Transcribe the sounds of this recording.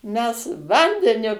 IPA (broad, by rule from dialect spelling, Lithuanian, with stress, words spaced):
ˈmʲɛs ˈʋɐnʲdʲɛnʲʊ